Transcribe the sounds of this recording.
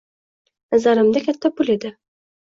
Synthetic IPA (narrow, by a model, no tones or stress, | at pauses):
nazaɾɪmd̪akʲʰat̪ʰːapʊle̞d̪ɪ